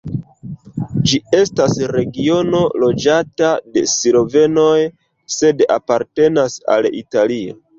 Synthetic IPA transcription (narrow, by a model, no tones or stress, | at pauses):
d͡ʒie̞stasɾe̞ɡio̞no̞lod͡ʒatade̞siɾo̞ve̞no̞j | se̞dapaɾte̞nasa̰lḭtalio̰